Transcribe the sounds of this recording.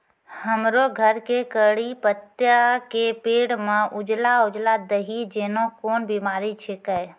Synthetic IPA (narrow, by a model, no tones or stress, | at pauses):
həmɾoɡʱəɾkekəɽipət̪jakepeːɽmẽʔʊd͡ʒlaʊd͡ʒlad̪əɦid͡ʒeːnõkoːnbimaːɾit͡ʃʰekəɛ